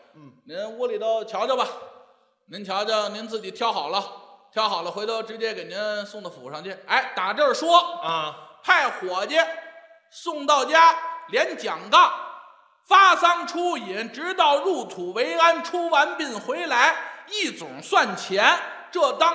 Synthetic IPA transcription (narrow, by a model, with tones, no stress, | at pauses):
ni˧˥nwɔ˥li˨˩d̪ɑ˥˩ʊt͡ɕʰjɑ˧˥ʊt͡ɕbɐ˨ | ni˧˥nt͡ɕʰjɑ˧˥ʊt͡ɕɑ˥˧˩ni˧˥nt͡sɹ̩˥˩t͡ɕi˨˩t̪ʰjɑ˥ʊxɑ˨˩ʊlə˦t̪ʰjɑ˧˥ʊxɑ˨˩ʊlə˦xw̪ɑ˥˩ʊʈ͡ʂɻ̩˧˥t͡ɕjɛ˥ke˨˩ɪni˧˥nsʊ˥˧ŋd̪ə˧˩fṵ˨˩ʂɑ˥˧ŋt͡ɕɛ˥˩na˧˥˩ɪt̪a˨˩ʈ͡ʂə˥˩ʂwɔ˥˧ | pʰa˥˩ɪxwɔ˨˩t͡ɕjɛ˥˩ | sʊ˥˧ŋt̪ɑ˥˩ʊt͡ɕja˥ljɛ˧˥nt͡ɕjɑ˨˩ŋkɑ˥˩ŋ | fa˥sɑ˥ŋʈ͡ʂʰu˥i˨˧˥nʈ͡ʂɻ̩˧˥t̪ɑ˥˧ʊɻu˥˩t̪ʰu˨˩we˧˥ɪa˥nʈ͡ʂʰu˥wa˧˥npi˥˩nxwe˧˥ɪla˧˥ɪi˥˩t͡sʊ̰˨˩ŋswa˥˩nt͡ɕʰjɛ˧˥nʈ͡ʂɤ˥˩t̪ɑ˥